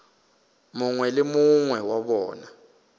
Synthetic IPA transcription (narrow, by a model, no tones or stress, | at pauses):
muŋwɛlɪmuŋwɛwaɓɔːna